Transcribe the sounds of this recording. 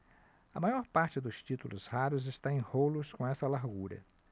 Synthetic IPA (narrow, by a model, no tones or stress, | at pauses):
ɐmajɔɾpaɾt͡ʃɪd̪ʊst͡ʃit̪ulʊ̰zhaɾʊzɪst̪aẽj̃holʊskõɛsɐlaɾɡuɾɐ̰